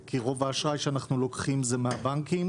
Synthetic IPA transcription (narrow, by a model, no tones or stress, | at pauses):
kiʁo̞vaːʃʁajʃeanaχnulo̞kχimzemeabaŋkim